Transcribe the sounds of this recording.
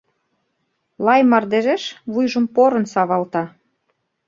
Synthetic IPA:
lˠɑjmɑrd̪eʒeʃβujʒɤ̆mpoɾɤ̆nsɑβɑlt̪ɑ

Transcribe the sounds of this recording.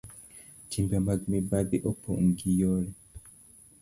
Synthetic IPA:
timbiamaɡmibabiʔopʰoŋ̩ɡijɔɾi

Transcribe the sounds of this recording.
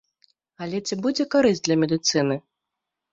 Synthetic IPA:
alʲɛt͡sʲibud͡zʲɛkaɾɨsʲt̚ʲd̪lʲɐmʲɛd̪ɨt̪sɨnɨ

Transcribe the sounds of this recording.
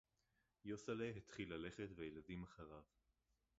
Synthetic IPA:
josaleɦet̪χilale̞χetvejeladimaχaʁav

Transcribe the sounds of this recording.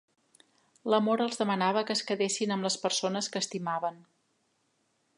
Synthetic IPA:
ləmoɾəlˠzðəmənaβ̞əkəːskəðesinəmləspəɾsonəskəːst̪imaβən

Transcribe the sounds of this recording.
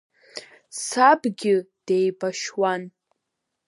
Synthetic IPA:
sabɡʲɪd̥ejbaʃwan

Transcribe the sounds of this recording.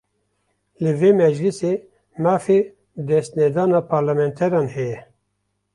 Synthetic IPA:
lɨveːmɛd͡ʒlɨseː | mɑːfe | d̪ɛst̪nɛd̪ɑːnɑːpʰɑːɾlamɛnt̪ʰɛɾɑːnhɛjɛ

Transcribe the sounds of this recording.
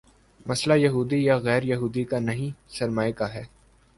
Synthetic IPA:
mɐslajɐɦuːd̪ijaɣɛːɾjɐɦuːd̪ikanɐɦĩsɐɾmaːekaɦɛː

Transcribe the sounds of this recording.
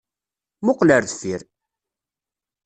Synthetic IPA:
mʊqləɾðfiɾ

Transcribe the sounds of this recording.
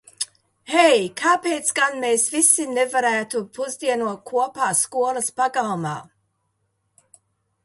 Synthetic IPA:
hɛjkʰaːpeːt̪sɡanmeːsvisinevaɾæːt̪upuzd̪iɛnuɔt̚kʰuɔpaːskuɔlˠaspaɡalˠmaː

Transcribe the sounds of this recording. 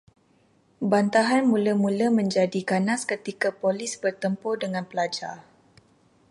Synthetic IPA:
bant̪aɦanmũləmũləmə̃ɲd͡ʒadikanaskət̪ikapolisbərt̪əmpɔdəŋãnpəlad͡ʒa̰r

